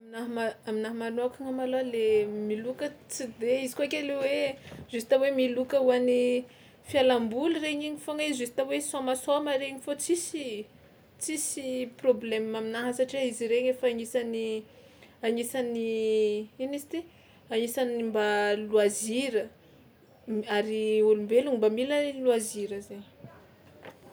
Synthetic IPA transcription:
minaɦmaaminaɦamanakaŋamalalemilukət͡sid̪eizi̥koakʲelewez̥usi̥t̪awemilukəuani | fialambulreɲiɲifoŋaizusi̥t̪awesamasomaɾeɲifot͡sisi | t͡sisiproblemmaminaɦəsaʈ͡ʂiaiziɾeɲefaaɲisani | aɲisani | inisi̥t̪i | aɲisanimbaluaziɾə | aɾiulumbeluɲimbamiləluaziɾəzeɲ

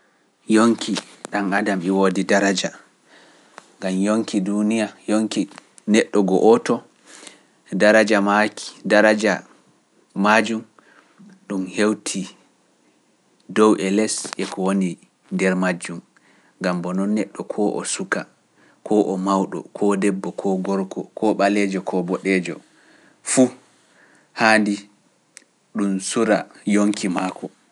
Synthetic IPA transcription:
joŋki | ɗanadamɛwodidaɾad͡ʒa | ŋɡamjoŋkidunijajoŋki | nɛɗːɔɡɔʔɔtɔ | daɾad͡ʒamakdaɾad͡ʒa | mad͡ʒum | ɗumhewtʰi | dɔwʔɛlɛsɛkɔwoni | ndɛɾmad͡ʒːum | ŋɡambɔnɔnːɛɗːɔkʰɔːʔɔ̰suka | kɔːʔɔmawɗɔ̰kʰɔːdɛbːɔkʰɔɡɔɾkʰɔkʰɔːɓalɛd͡ʒɔkʰɔbɔɗɛːd͡ʒɔ̰ | fu | haːndi | ɗumsuɾajoŋkimaːkʰɔ

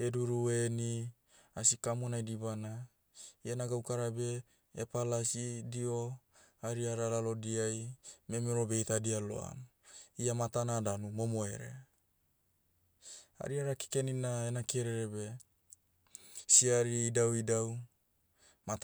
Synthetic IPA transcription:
e̞duɾue̞ni | asikamonajdibana | ianaɡawkaɾabe̞ | epalasidio̞ | aɾiaɾalalo̞diajme̞miɾo̞be̞jtadialo̞̰a̰m | iamatanadanumo̞moe̞̰ɾe̞̰ | a̰ɾiaɾaki̥keninaenakeeɾeɾe̞βe̞ | siaɾiidawidaw | mat

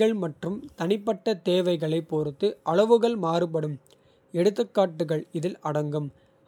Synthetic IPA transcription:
ɐɭmɐʈrɯmt̪ɐnɪpːɐʈːɐt̪eːʋɐɪɣɐɭɐɪpːoːɾɯt̪ːɯʔɐɭɐʋɯɣɐɭmaːɾɯp̬ɐɽɯm | ɛɽɯt̪̬ːɯkːaːʈːɯɣɐɭɪðɪlɐɽɐŋɡɯm

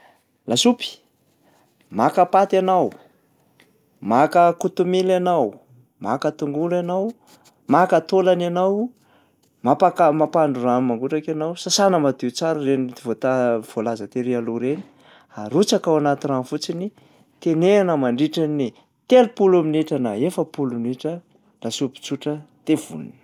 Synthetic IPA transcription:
lasupi̥ | makapat̪anaw | makəkut̪umilanaw | makət̪uŋɡulanaw | makət̪olananaw | mapakamapaɳɖ͡ʐuɾanmaŋɡuʈ͡ʂakanawsasanəmad̪iwt͡saɾərenit̪ivot̪av̥olazət̪eɾialuɾeni̥ | aɾut͡sakawanat̪iɾanfut͡sini | t̪eneanəmaɳɖ͡ʐiʈ͡ʂani | t̪elupulaminiʈ͡ʂənaefəpuluniʈ͡ʂə | lasupi̥t͡suʈ͡ʂət̪ev̥ṵn̰n̥

